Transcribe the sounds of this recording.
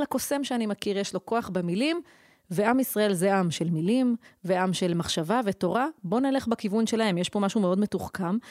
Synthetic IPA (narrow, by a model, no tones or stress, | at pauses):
lako̞se̞mʃeanimakiʁjeʃlo̞ko̞aχbemilim | veamisʁae̞lze̞ʔamʃelmilimveamʃe̞lmaχʃavaveto̞ʁabo̞nele̞χbakivunʃe̞lahe̞mjeʃbo̞maʃume̞o̞dme̞tuχkam